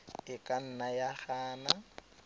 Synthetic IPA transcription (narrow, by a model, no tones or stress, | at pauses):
ɪkʼan̩najaχaːna